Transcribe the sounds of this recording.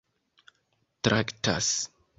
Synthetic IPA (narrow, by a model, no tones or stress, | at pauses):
tɾʔakta̰s